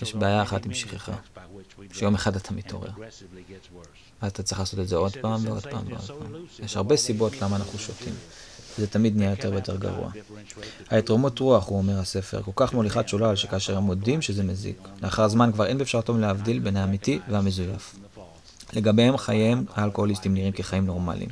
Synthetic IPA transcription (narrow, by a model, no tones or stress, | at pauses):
jeʃbeajaeχatimʃiχeχa̰ | ʃejo̞meχadat̪ʰamitʰo̞̰ʁe̞̰ʁ | azat̪att͡sʁiχlaːsotedzeo̞dpaːmveo̞dpa̰ːmveo̞̰dpaːmjeʃhaʁbe̞sibo̞tlamaːnaχnuʃo̞tʰḭmvezetamid̪nijajo̞te̞vejo̞te̞ʁɡa̰ʁṵa̰ | haetʁomutʁuaχuome̞ʁhase̞feʁko̞lkaχmoliχaʃulaːlʃekaːʃeʁhemodimʃezemezḭkleaχaʁzmankvaʁe̞nbeefʃaʁtomleavdilbe̞nhaːmitivehame̞zujaf | le̞ɡabehemχajemaːlko̞holist̪imniʁimke̞χajimno̞ʁma̰lḭm